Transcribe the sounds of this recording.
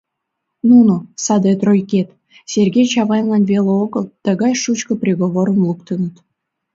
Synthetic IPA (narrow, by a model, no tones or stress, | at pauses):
nunusɑd̪et̪rojket̪ | sʲerɡʲejt͡ɕɑβɑjlˠɑnvʲeleoɣəlˠt̪ə̆ɣɑjʃut͡ɕkə̆prʲeɣoβoɾə̆mlˠukt̪ənə̆t̪